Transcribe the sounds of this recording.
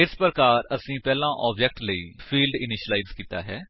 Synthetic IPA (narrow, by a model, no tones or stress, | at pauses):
ɪspɾəkaːɾəsĩːpɛːlãːʔɔːbd͡ʒɛːk̚ʈləḭːpʰiːlɖɪnɪʃəlaːiːzkiːt̪a̰ːɦɛː